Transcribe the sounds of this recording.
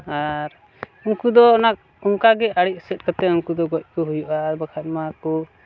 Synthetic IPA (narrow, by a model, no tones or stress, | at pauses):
aɾ | uŋkud̪ɔnak̚ | uŋkaɡɛaɽiʔ̚ˀsɛt̪̚kat̪ɛuŋkud̪ɔɡɔc̚ˀkɔɦujuʔabakʰat̪̚makɔ